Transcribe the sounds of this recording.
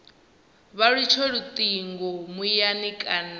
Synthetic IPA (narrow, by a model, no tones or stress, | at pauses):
βaɺit͡ʃʰɔɺut̪ʼiŋɡɔmujanikʼan